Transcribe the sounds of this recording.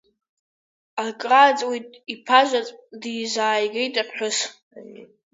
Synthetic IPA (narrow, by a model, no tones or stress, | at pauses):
akʼrat͡sʼwejtʼipʰaʒʷat͡sʼdijzaːjɡʲejtʼapʰħʊs